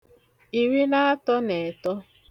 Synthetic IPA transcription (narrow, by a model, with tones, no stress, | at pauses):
i˨ɾi˦la˦a˦tɔ˦ne˨tɔ˦